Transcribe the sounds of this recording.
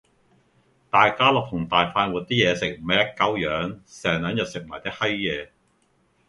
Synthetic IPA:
t̪aː˨jkaː˥lɔː˨˩t̪ʰʊ˨˩ŋt̪aː˨jfaː˧nwu˨t̚t̪iː˥jɛː˨˧sɪ˨k̚m̩˨˩mɐ˨jɐ˥t̚kɐ˨˥wjœː˨˧˥ŋsɛː˨˩ŋlœː˨˥ŋjɐ˨t̚sɪ˨k̚maː˨˩jt̪ɪ˥k̚hɐ˥jjɛː˨˧

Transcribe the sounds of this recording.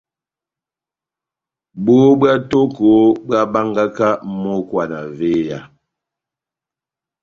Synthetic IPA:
bo˦bwa˦to˦ko˨˦bɰa˦ba˦ŋɡa˦ka˦mo˦kwa˨na̰˨ve˦ja˨

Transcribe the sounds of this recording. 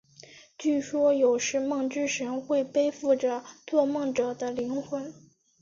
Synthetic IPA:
t͡ɕy˥˩ʂwɔ˥jo˨˩ʊʂɻ̩˥˧mɤ˥˧ŋʈ͡ʂɻ̩˥ʂə˧˥nxwe˥˩ɪpe˥ɪfu˥˩ʈ͡ʂə˨˩t͡swɔ˥˧mɤ˥˩ŋʈ͡ʂɤ˨˩d̪ə˦li˧˥ŋxwə˧˥n

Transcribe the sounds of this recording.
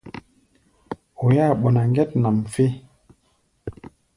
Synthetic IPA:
o˨ja˦˨ɓo˨na˨ŋ˦ɡe˦tna˨mfe˦

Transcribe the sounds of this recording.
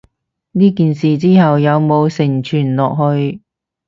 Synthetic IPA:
niː˥kiː˨nsiː˨t͡siː˥hɐ˨wjɐ˨˧wmo˨˧wsɪ˨˩ŋt͡ʃʰyː˨˩nlɔː˨k̚hɵ˧ɥ

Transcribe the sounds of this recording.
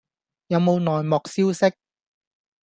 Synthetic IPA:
jɐ˨˧wmo˨˧wnɔː˨jmɔː˨˩k̚siː˥wsɪ˥k̚

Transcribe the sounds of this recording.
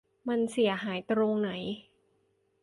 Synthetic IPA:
ma˧nsi˨˩˦əɦaː˩˦jt̪ɾoː˧ŋna˩˦j

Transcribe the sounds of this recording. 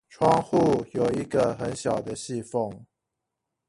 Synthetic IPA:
ʈ͡ʂʰwɑ˥ŋxu˥˩jo˨˩ʊi˧˦˥ɡə˨xə˧˦nɕjɑ˨˩ʊd̪ə˦ɕi˥˧fɔ˥˩ŋ

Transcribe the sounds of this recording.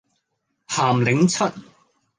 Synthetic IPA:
haː˨˩mlɪ˨˥ŋt͡sʰɵ˥t̚

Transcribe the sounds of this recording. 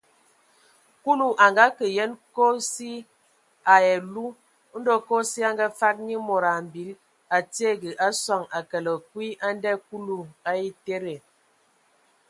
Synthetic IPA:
ku˦lu˨ʔa˨ŋɡa˦kə˨jɛ˦nko˦si˦ | a˨jɛ˨lu˦ | n̩˦do˦ko˦si˦a˦ŋɡa˦fa˦k̚ɲi˦mo˨ɾa˨m˨bi˨˦l | a˨ti˦e˦˨ɡə˨ʔa˦sɔ˨ŋa˨kə˨lə˨kwi˦ʔa˦n˦dɛ˦ku˦lu˨a˦i˦te˦ɾe˨

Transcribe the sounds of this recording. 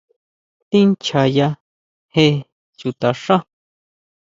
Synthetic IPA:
t̪ĩ˦nt͡ʃʰa˨ja˧ | he˧ | t͡ʃu˨t̪a˨ʂã˦

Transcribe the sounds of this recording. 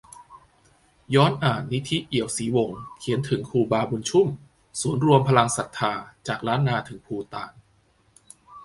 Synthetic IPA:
jɔː˦˥nʔaː˨˩nːi˦˥t̪ʰi˦˥ʔi˨˩əwsiː˩˦wo˨˩ŋkʰi˩˦ənt̪ʰɯ˩˦ŋkʰuː˧baː˧bu˧nt͡ɕʰu˥˩m | su˨˩˦ənɾu˧əmpʰa˧la˧ŋsa˨˩t̪ʰːaː˧t͡ɕaː˨˩k̚ɾaː˦˥nːaː˧t̪ʰɯ˩˦ŋpʰuː˧t̪aː˨˩n

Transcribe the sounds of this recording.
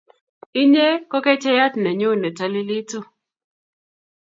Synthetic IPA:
i˦ɲe˦kɔ˦kɛ˦t͡ʃɛ˦ja˦tnɛ˨ɲo˦˨nɛ˨ta˨lɪ˦li˦to˦

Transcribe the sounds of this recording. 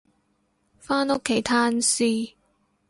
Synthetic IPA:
faː˥no˥kʰe˨˩jt̪ʰaː˧˥nsiː˧

